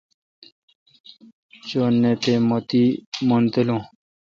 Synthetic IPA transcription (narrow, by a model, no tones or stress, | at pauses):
t͡ɕonːet̪emot̪iːmont̪elõː